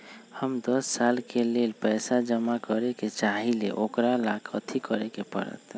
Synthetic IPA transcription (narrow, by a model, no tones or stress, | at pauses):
həmd̪əsːalkelelpɛɪsad͡ʒəmakəɾeket͡ʃaɦilḛʔokɾalakʰət̪ʰikəɾekepə̰ɾə̰t̪